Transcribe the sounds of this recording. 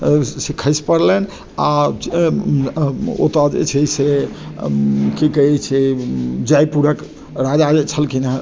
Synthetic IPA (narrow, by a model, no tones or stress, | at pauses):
sekʰəjspəɾlɛn | a | o̰t̪ad͡ʒḛt͡ʃʰɛse | kikəɦɛt͡ʃʰed͡ʒajpuɾək | ɾad͡ʒad͡ʒet͡ʃʰəlkʰinəɦ